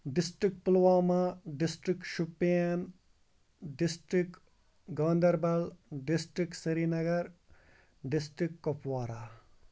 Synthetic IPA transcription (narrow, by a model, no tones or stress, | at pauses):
ɖisʈɾikpulwaːmaɖisʈɾikʃupen | ɖisʈɾik | ɡɐːnd̪ɐɾbɐlɖisʈɾiksɐɾiːnɐɡɐɾ | ɖisʈɾikːopʰwaːɾaː